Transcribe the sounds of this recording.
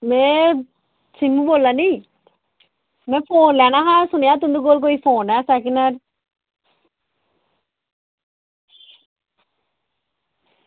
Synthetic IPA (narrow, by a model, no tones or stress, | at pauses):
me | t͡ʃimːuʋolːani | mefʰoːnlɛnaɦasunjaːt̪und̪uk̬oːlk̬oifoːnasakinaɾ